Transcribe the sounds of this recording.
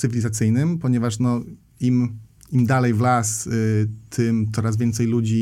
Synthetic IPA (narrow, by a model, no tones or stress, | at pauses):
ɘvʲilʲizat̪sɘjnɘmpɔɲɛvaʂnɔ | im | imd̪alɛjvlas | t̪ʰɘmt̪sɔɾasvʲjɛnt̪sɛjlud͡ʑi